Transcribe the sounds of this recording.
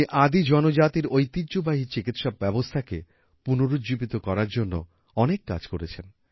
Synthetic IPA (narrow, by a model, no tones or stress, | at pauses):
iʔad̪id͡ʑɔnod͡ʑat̪iɾojt̪idːʑobaɦit͡ɕikit̪ʃab̚bɛbost̪ʰake | punoɾud͡ʑibit̪okɔɾaɾd͡ʑonːo̰ | ɔnekːa̰d͡ʑkoɾet͡ɕʰen